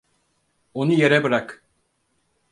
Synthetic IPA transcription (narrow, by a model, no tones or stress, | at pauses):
onujeɾɛbɯɾak